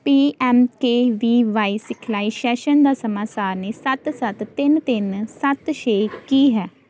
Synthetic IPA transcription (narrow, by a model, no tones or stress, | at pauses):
piːɛːmkeːʋiːʋaːiːsɪkʰlaːiʃɛːʃənd̪aːsəmaːsaːɾneːsət̪sət̪ːɪnt̪ɪnsət̪ʃeːkiːɦɛː